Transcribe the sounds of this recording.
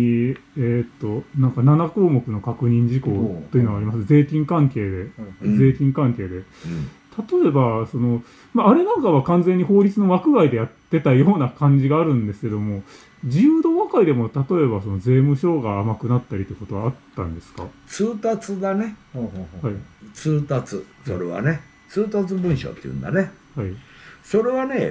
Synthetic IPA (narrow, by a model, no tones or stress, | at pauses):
et̪ːo̞nãŋkananako̞ːmo̞kɯ̟no̞kakɯ̟ɲ̟ĩɲ̟d͡ʑiko̞ːo̞jinoaːɾʲimasɨze̞ːkʲĩŋkãŋke̞ːd̪e̞d͡ze̞ːkʲĩŋkãŋke̞ːd̪e̞t̪at̪o̞e̞baso̞no̞ | maːɾe̞nãŋkaβ̞akãnze̞ɲ̟ːiho̞ːɾʲit͡sɨno̞βakɯ̟ɡaid̪e̞jat̪ːe̞t̪ajo̞ːnakãɲ̟d͡ʑiɡaːɾɯ̟̃nd̪e̞sɨ̥ke̞d̪o̞mo̞ | d͡ʑiɯːd̪o̞ːβakaid̪e̞mo̞t̪at̪o̞e̞baso̞no̞ze̞ːmɯ̟ɕo̞ːɡaːmakɯ̟nat̪ːaɾʲit̪oeko̞t̪o̞βaːt̪ːã̰nd̪e̞sɨ̥ka̰t͡sɨːt̪at͡sɨd̪ane̞hait͡sɨːt̪at͡sɨso̞̰ɾḛβa̰ne̞ | t͡sɨːt̪at͡sɨbɯ̟̃ɰ̃ɕo̰t̪ːejɯ̰̃nd̪a̰nehaiso̞ɾe̞βane